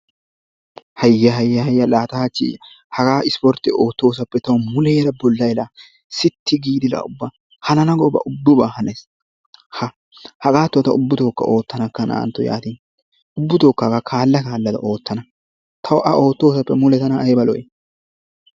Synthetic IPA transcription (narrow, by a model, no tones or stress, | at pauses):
hɐjːɐɦɐjːɐhɐjːɐlaːt̪ɐhɐt͡ʃːḭ | hɐɡaːɪspɔɾt̪ːɪoːt̪ːo̞ːs̬ɐpːɛt̪ɐwmʊleːɾɐbɔlːɐjla | sɪt̪ːɪɡiːd̪ɪlɐ̰ʊbːa | hɐnɐnɐɡɔbɐ̰ʔʊbːʊbaːhɐnes | hɐ | hɐkʼaːt̪ːʊɔt̪ɐʊbːʊt̪o̞ːkːɐ̰ʔo̞ːt̪ːɐnɐkːɐna̰ːnt̪ːɔja̰ːt̪iːn | ʊbːʊt̪oːkːɐkakʰaːlːɐkaːlːɐd̪ɐ̰ʔo̞ːt̪ːɐnɐ | t̪ʰɐwʔɐʔoːt̪ːo̞ːsɐpːɛmʊlɛt̪ɐnɐːjbɐlɔ̰jɛ